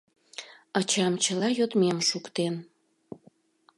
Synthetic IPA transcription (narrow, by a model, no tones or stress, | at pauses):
ɑt͡ɕɑmt͡ɕəlɑjot̪memʃukt̪en